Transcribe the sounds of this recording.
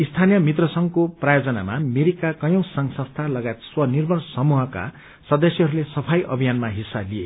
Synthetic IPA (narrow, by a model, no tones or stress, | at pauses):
ist̪ʰanijʌmit̪rʌsʌŋkoprajod͡zʌna̰mameɾikakʌjʌ̃w̃sʌŋsʌ̃st̪ʰalʌɡajet̪swʌnirbʌnsʌmuɦʌka̰ | sʌd̪ʌsjɦʌɾulesʌpʰajʔʌ̰bʱijanmaɦisːablie